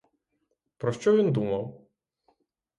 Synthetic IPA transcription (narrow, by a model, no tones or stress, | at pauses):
pɾɔʃt͡ʃɔʋʲind̪umɐw